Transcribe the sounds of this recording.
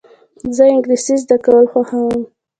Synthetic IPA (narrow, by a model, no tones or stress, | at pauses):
zəɪŋɡlisizd̪akawəlxwaxawəm